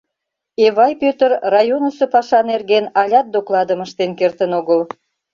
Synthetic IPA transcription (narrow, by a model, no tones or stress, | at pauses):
eβɑjpøt̪ərrɑjonəsə̆pɑʃɑnerɣenɑlʲɑt̪̚d̪oklɑd̪ə̆məʃt̪enkert̪ənoɣəl